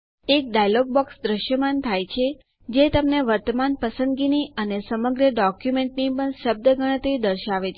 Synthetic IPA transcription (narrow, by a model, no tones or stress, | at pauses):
ek̚ɖajloɡ̚bɔksd̪ɾəʃjəmant̪ʰajt͡ʃʰe | d͡ʒet̪əmneʋəɾt̪əmanpəsə̃nd̪ɡiniənesəməɡɾəɖɔkjumeɳʈnipəɳʃəb̚d̪əɡʱəɽ̃ət̪ɾid̪əɾʃaʋet͡ʃʰ